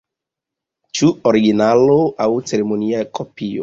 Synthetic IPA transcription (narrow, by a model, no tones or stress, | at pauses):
t͡ʃuoɾiɡinaloʔawt͡se̞ɾemoniakʰopio̰